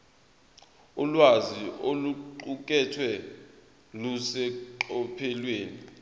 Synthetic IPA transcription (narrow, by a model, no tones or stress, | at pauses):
ulwazioluǃuk̬ʼɛtʰwɛ | lusɛǃɔpʰɛlweːni